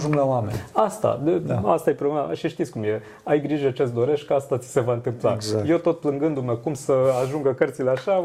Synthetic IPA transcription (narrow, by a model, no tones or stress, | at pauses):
ʒuŋɡlawamḛnʲast̪a̰d̪ea̰st̪ajepɾolemaaʃiʃt̪it̪sʲkumje̞ | ajɡɾiʒet͡ʃe̞t̪sd̪o̞ɾe̞ʃt̚ʲkəast̪at̪si̥se̞vaɨnt̪ɨmpla̰zje̞wt̪o̞t̪̚plɨŋɡɨnd̪umekumsəaʒuŋɡəkərt̪sileaʃa